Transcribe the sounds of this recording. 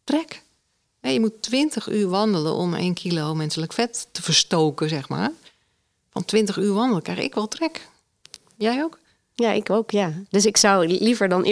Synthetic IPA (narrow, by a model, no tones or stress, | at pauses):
trɛk | hɛjəmutːʋɪntəxyːrʋɔndələ̰ʔɔ̰mḛːnkʰilowmɛnsələkfɛtːəfərstoːkəzɛxma̰ːr | fɔ̰ntʋɪntəxyːʋɑndəlˠəkrɛxɪ̰kʋɔlˠtrɛk | jɛjowk | jaʔɪkowkjadøsɪksɔwlivəɹdɔnʔ